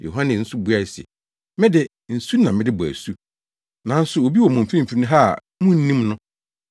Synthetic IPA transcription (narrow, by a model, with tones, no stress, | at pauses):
jo̰˨ɦã˦nɪ̃˨n̩˦sʊ˦bu˨˦a˦˨sɛ̰˨ | mɪ̃˦dɪ˦ | n̩˨su˦nã˨mɪ̃˦dɪ˦bʊ˨æ̰˨su˦ | nã˨˦n̩˦sʊ˨o˨bi˦wɔ˨mʊ̃˨m̩˨fĩ˦m̩˨fi˦nʊ̃˦ɦa˦˨ | mʊ̃˦n̩˦nĩ˦mnʊ̃˦